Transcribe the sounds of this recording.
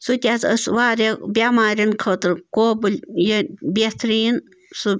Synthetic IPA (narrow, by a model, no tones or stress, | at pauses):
sut̪ʲaːt͡səsʋaːɾʲebʲamaːɾʲinkʰət̪ɨɾkoːbɨlʲjəbʲet̪ʰɾiːn | su